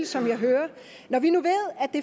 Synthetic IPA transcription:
lsɒ̽mjɑ̈ɪɦøːɐ | nɒʋinuʋe̝ð̰ˠæd̥e̝

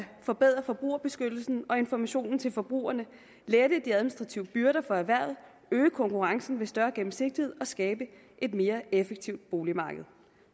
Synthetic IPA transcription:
fɒ̽b̥eð̰ˠʁɐfɒ̽b̥ʁṵːɐb̥e̝sɡ̥ød̥l̩sn̩ɒ̽e̝nfɒmæɕo̝̰ːnn̩t͡sʰe̝lfɒ̽b̥ʁṵːɐnə | leːɐɾ̥əd̥iæðˠminisd̥ʁɑ̈t͡sʰiʊəb̥yɐɾɐfɒ̽æʋæɐ̰ð̩ˠ | øːəkʰɒ̽ŋkuʁɑ̈ŋsn̩ʋe̝sd̥ɶɐɡ̥em̩se̝ɡ̥̚d̥ihe̝ð̞̰ˠɒ̽sɡ̥ɛːb̥ə | ʔe̝d̥me̝ːɐefeɡ̥̚t͡sʰiʊ̰d̥̚b̥o̝ːlimɑ̈ːɡ̥əð̞̩ˠ

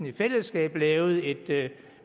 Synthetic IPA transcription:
n̩ifel̰əsɡ̥ɛ̰ːb̥lɛːʊð̞̩ˠe̝d̥

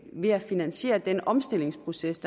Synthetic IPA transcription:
ʋe̝æfinænɕe̝̰ːɐd̥enəʔɒ̽msd̥e̝l̰e̝ŋspʰʁo̝sesd̥

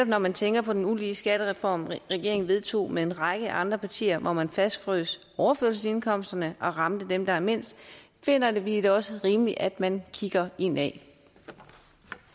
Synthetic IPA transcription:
ne̥ɒ̽b̥̚nɒmænt͡sʰeŋɡ̥ɐpʰɒ̽d̥enuliːəsɡ̥æɾ̥əʁɛfɒ̰mʁɛɡ̥e̝ɐeŋn̩ʋe̝ð̞ˠt͡sʰo̝̰ːmee̝nʁɑ̈ɡ̥əʔɑ̈nd̥ʁɐpʰɑ̈t͡sʰḭːɐʋʔɒmænfæsd̥fʁø̰sʔɒʊɐføɐ̰lsəse̝nkʰɒ̽m̰sd̥ɐnəʔɒ̽ʁɑ̈md̥əd̥emd̥ɑ̈ime̝n̰sd̥ | fe̝n̰ɐd̥e̝ʋiɾ̥eɒ̽səʁiːmliʔæd̥mænkʰiɡ̥ɐe̝n̰ɛ̰

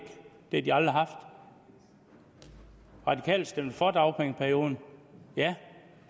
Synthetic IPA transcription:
ɡ̥d̥ediɑld̥ʁiɦɑ̈fd̥ | ʁɑ̈d̥ikʰɛ̰ːlsd̥em̩fɒd̥ɑ̈ʊpʰʁeŋpʰæɐjo̝ːðˠn̩jæ

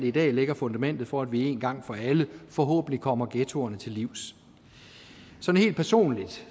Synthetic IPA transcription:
id̥ɛ̰ːleɡ̥ɐfɔ̽nd̥æmen̰d̥ð̞̩ˠfɒ̽æd̥ʋie̝ːnɡ̥ɑ̈ŋ̰fɒ̽æləfɒ̽ɦɔ̰̽ːb̥n̩likʰɒ̽m̰ɐɡ̥et͡sʰo̝ɐnət͡sʰe̝lːiʊ̰s | sɒ̽nhe̝̰ld̚pʰæɐso̝̰ːnlid̥

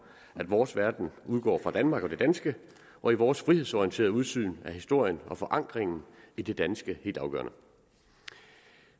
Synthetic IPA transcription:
ʔæd̥ʋɒːsʋæɐd̥n̩uð̞ˠɡ̥ɒ̰ːfʁɑ̈d̥ænmɑ̈ːɡ̥ɒ̽d̥e̝d̥ænsɡ̥ə | ʔɒ̽iʋɒːsfʁihe̞sɒiənt͡sʰe̝ːɐðˠuð̞ˠsy̰ːnæhisd̥o̝ɐ̰jənɒ̽fɒ̽ʔɑ̈ŋ̰ɡ̥ʁeŋn̩id̥e̝d̥ænsɡ̥əhe̝̰ːldɑ̈ʊɡ̥ɶ̰ːɐnə

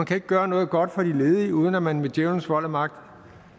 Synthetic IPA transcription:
ænkʰæe̝ɡ̥əɡ̥ɶːɐnɔ̽ːð̞̩ˠɡ̥ɒ̽d̥fɒ̽d̥ile̝ːð̞ˠiuːð̞ˠən̩æmænmed̥jeʊn̩sʋɒ̽l̰æmɑ̈ɡ̥̚d̥

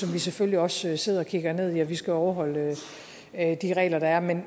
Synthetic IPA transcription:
sɒ̽mʋiseføljiɒ̽søse̝ð̞̰ˠɒ̽kʰiɡ̥ɐne̝ð̞̰ˠiɒʋisɡ̥æɒʊɐɦɒ̽l̰ | d̥iʁɛ̰ːlɐɾ̥ɑ̈æɐmen

